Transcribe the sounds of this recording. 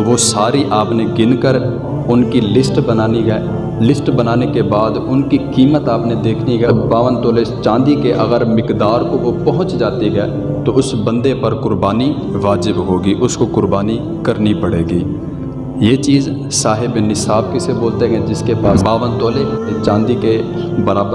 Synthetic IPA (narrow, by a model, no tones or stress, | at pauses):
ʋosaːɾiʔaːpneɡɪnkəɾ | ʊnkilɪsʈbənaːniɦɛː | lɪsʈbənaːnekebaːd̪ʊnkikiːmət̪aːpned̪eːkʰniɡɛbaːʋənt̪oːlet͡ʃãːnd̪ikeʔɐɡəɾmɪkd̪aːɾkoʋopɐɦʊ̃t͡ʃd͡ʒaːt̪iɦɛː | t̪oʊsbə̃nd̪epəɾkʊɾbaːni | ʋaːd͡ʒɪbɦoːɡiːʔʊskokʊɾbaːni | kəɾnipɐɽeːɡiː | jeːt͡ʃiːz | saːɦɪbnɪsaːbkeseboːlt̪eɡɛd͡ʒɪskepaːsbaːʋənt̪oːleet͡ʃãːnd̪ikebəɾaːbə